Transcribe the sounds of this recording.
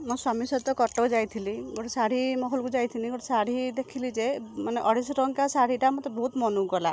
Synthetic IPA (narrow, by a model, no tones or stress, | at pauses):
mɔ̃swamisɔt̪ɔkɔʈɔd͡ʒajt̪ʰiliɡoʈesaɽ̤imɔɦɔlkud͡ʒajt̪ʰiliɡɔʈesaɽ̤id̪ekʰilid͡ʒemaneʔɔɽisɔɾɔŋkasaɽ̤iʈamɔt̪ɔbɔɦut̪mɔnuɡɔla